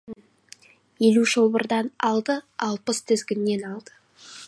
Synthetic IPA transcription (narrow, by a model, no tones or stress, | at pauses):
je̞luʒobəɾd̪ɑnɑlˠd̪əɑlˠpəst̪ʰɪzɡʲɪnːe̞nɑlˠd̪̥ə